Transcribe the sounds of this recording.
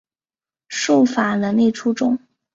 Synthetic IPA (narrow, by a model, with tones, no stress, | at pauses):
ʂo˥˩fa˨˩lə˧˦nle˥˩ɪʈ͡ʂʰu˥ʈ͡ʂʊ˥˩ŋ